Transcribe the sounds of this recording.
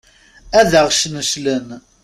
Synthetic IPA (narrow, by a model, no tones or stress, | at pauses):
æðəʁʃnəʃlən